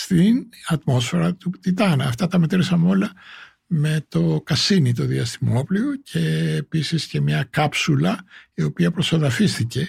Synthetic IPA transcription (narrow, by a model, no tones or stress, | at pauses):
st̪inɐt̪mo̞sfe̞ɾɐt̪ut̪it̪ɐnɐɐːft̪ɐt̪ɐme̞t̪ɾisɐmeo̞lɐ | me̞t̪o̞kɐsinit̪oðiɐst̪imo̞pliocʰe̞ːpisisce̞mɲɐkɐpsulɐio̞piɐpɾo̞soðɐfist̪ice̞